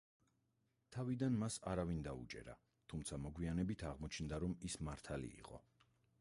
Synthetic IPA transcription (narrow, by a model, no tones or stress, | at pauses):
t̪ʰavid̪anmasaɾavind̪aṵt͡ʃʼɛ̰ɾa̰ | t̪ʰumt̪sʰamɔɡwianɛbit̪ʰaʁmɔt͡ʃʰnd̪aɾɔmismaɾt̪ʰalḭːqʼɔ̰